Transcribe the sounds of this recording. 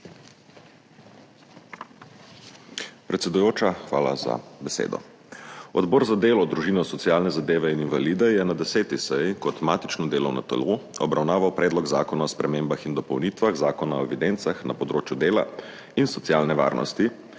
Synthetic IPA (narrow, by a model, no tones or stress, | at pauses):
pɾɛt̪sɛd̪ujoːt͡ʃaxʋa̰ːla̰za̰bɛsḛːd̪ɔ̰ | ɔ̰d̪bɔːɾzad̪eːlɔd̪ɾuʒiːnɔsɔt̪sijaːlnɛzad̪eːʋɛininvaliːd̪ɛjɛnad̪ɛseːt̪isɛjkɔt̪maːt̪i̥t͡ʃnɔd̪eːlɔ̰wna̰t̪ɛ̰loɔbɾawnaːʋawpɾɛːd̪lɔɡzaːkɔnaɔspɾɛmeːmbaxind̪ɔpɔwnit̪ʋaɣzaːkɔnaɔɛʋid̪ent̪saxnapɔd̪ɾoːt͡ʃjud̪eːla̰ | insɔt̪sijalnɛʋa̰ːɾnɔ̰st̪i